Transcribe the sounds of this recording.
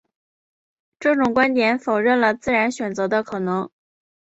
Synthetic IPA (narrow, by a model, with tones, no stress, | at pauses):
ʈ͡ʂɤ˥˩ʈ͡ʂʊ˨˩ŋkwa˥nt̪jɛ˨˧˥nfo˨˩ʊɻə˥˩nlə˩t͡sɹ̩˥˩ɻa˧˥nɕɥɛ˨˩nt͡sɤ˧˥d̪ə˧kʰɤ˨˩nɤ˧˥ŋ